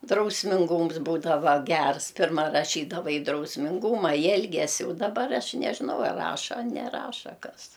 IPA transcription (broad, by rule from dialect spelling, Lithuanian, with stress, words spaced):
drɐʊsʲmʲɪŋˈɡʊms ˈbuːdɐʋɐ ˈɡʲɛrs ˈpʲɪrmɐ rɐˈʃʲiːdɐʋɐ ɪ drɐʊsʲmʲɪŋˈɡʊmɐ ɪ ˈɛlʲɡʲɛsʲɪ dɐˈbɐr ˈɐʃ nʲɛʒʲɪˈnɐʊ ɐr ˈrɑːʃɐ ɐ nʲɛˈrɑːʃɐ ˈkɐs